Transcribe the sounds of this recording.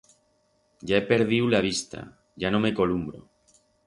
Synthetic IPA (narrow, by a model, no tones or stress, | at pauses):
ɟ͡ʝae̞pe̞ɾðiwlaβ̞ist̪a̰ | ʝano̞me̞ko̞lumbɾo̰